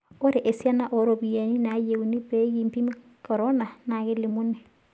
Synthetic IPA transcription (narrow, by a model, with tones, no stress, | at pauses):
o˦ɾe˨ʔe˨sja˦na˦ʔo˨ɾo˨bi˨a˨ni˦na˨˦je˨u˨ni˦pe˦ɣi˨mpi˦m˦ | kɔ˨ɾɔ˦na˨na˨ɣe˦li˨mu˦ne˨